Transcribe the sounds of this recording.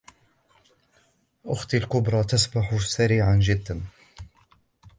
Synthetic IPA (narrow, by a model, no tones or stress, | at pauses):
ʔʊxt̪alkʊbɾˤɑt̪asbaħʊsaɾiːʕand͡ʒɪd̪ːan